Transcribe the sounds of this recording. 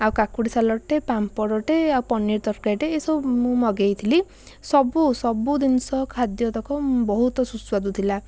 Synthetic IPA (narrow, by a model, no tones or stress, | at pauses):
awkakuɽisalɔʈepampɔɽɔʈeaupɔniɾt̪ɔɾkajʈeːsɔmũmɔɡejt̪ʰili | sɔbusɔbud̪insɔkʰad̪jɔt̪ɔkɔbɔɦut̪ɔsuswad̪ut̪ʰila